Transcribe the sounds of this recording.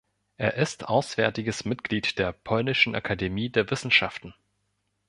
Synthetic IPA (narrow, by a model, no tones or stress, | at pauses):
ʔeːɐʔɪstʰʔaʊsv̥ɛɐtɪɡəsmɪtɡ̥liːtd̥eːɐpʰɔlnɪʃn̩ʔa̰kʰademiːdeːɐvɪsn̩ʃaftn̩